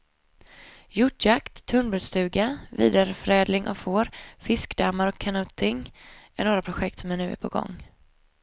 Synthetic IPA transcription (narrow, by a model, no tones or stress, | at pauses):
jʊʈjakt̪ʰːɵnbʉst̪ʉ̟ːɡavḭːd̪aɾfœɾɛːd̪lɪŋʔɔ̰foːɾfɪskd̪amːaɾɔkʰːanɵːt̪ʰɪŋɛɳoːɾapʰɾʊɧɛkt̪sɔmɛnʉ̟ːɛ̰pʰɔɡɔ̰ŋː